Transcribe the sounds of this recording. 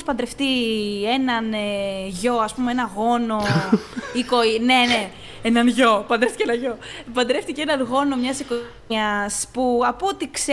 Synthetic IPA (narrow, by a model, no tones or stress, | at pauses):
spɐnd̪ɾe̞ft̪ie̞nɐneʝo̞ɐspumee̞nɐɣo̞no̞ | ikoine̞ne | enɐnʝo̞pɐnd̪ɾeft̪iceenɐʝo̞ | pɐnd̪ɾe̞ft̪iceenɐnɣo̞no̞mɲɐsiko | ɐspuɐpuot̪ikse